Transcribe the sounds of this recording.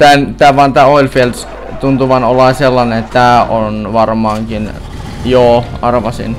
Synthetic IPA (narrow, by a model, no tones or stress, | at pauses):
t̪ænt̪æːʋɑnt̪æːolʲfels | t̪unt̪uʋɑnolɑˑiselːɑneet̪t̪æːonʋɑrmɑːŋkin | joːɑrʋɑsḭn